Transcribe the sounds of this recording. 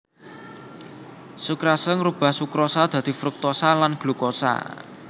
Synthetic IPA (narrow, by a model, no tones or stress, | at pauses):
sukɾasəŋɾub̥a̤hsukɾosad̪̥ä̤d̪̥i̤fɾuk̚t̪osalanɡ̥lukosa̰